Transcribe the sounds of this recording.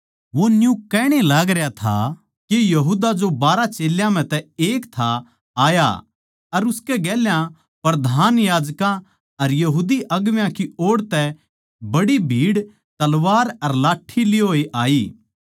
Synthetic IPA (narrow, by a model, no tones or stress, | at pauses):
ʋonjũkːɛːɽ̃elaːɡɾɐjat̪ʰa̰ | kejɐɦuːd̪ad͡ʒobaːɾat͡ʃeːljãm̤ɛ̃t̪ɛeːkt̪ʰa | aːja̰ | ɐɾʊskɛɡɛːljã | pɾɐd̪ʱaːnjaːd͡ʒkã | ɐɾjɐɦuːd̪iʔɐɡʋjãkioːɽt̪ɛ | bɐɽibʱiːɽ | t̪ɐlʋaːɾɐɾlaːʈʰːilɪɦoːeʔaːiː